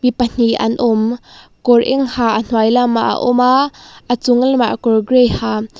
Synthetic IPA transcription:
mipən̥iʔɐ̰nʔʊmkɔrʔɛ̰ŋhaːʔən̥wajlamːaʔa̰ʔɔmaʔət͡sʊŋəlma̰ʔkɔrɡrɛjhaː

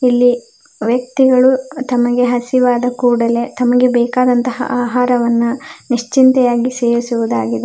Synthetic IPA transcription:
ilːi | ʋjɐkt̪iɡɐɭut̪ɐmɐɡe̞ɦɐsiʋaːd̪ɐkuːɽɐle̞t̪ɐmɐɡe̞bɛːkaːd̪ɐnt̪ɐɦɐ̰ʔaːɦaːɾɐʋɐnːuniʂt͡ʃint̪ɛjaːɡise̞ːɾisuʋud̪aːɡid̪e

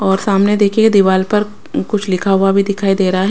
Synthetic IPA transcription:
ɔːɾsaːmned̪eːkʰeked̪ɪʋaːlpɐɾ | kʊt͡ʃʰlɪkʰaɦʊabʱid̪ɪkʰaːid̪eːɾɐɦaɦɛ

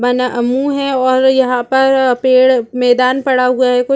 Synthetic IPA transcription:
bɐnaʔɐmːuɦɛ̃ɔːɾjɐɦãpɐɾpeːɽmɛːd̪aːnpɐɽaɦuaɦɛkʊ

